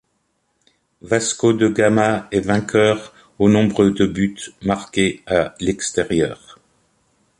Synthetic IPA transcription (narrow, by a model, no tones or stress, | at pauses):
vaskod̪əɡamaɛvɛ̃kʲʰœːʁ | onɔ̃bʁəd̪əbyt̪maʁkʲealɛkst̪ɛʁjœːʁ